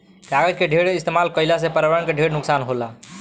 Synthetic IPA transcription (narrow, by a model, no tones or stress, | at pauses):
kaɡəd͡ʒkeɖʱeɽist̪emalkəɪlasepəɾaʋəɾəɳkeɖʱeɽnʊksanɦola